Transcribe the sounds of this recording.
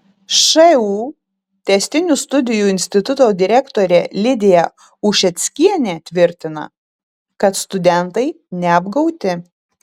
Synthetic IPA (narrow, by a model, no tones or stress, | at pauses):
ʃɐuː | t̪ʲɛsʲt̪ʲɪnʲust̪ʊd̪ʲɪjuːɪnʲsʲt̪ʲɪt̪ʊt̪oːd̪ʲɪɾʲɛkt̪oːɾʲɛːlʲɪd̪ʲejɛ | ʊʃʲɛt̪sʲkʲiɛnʲeːt̪ʲʋʲɪɾʲt̪ʲɪnɐ̰ | kɐt̪st̪ʊd̪ʲɛnˑt̪ɐɪ | nʲɛɐbɡɒʊt̪ʲɪ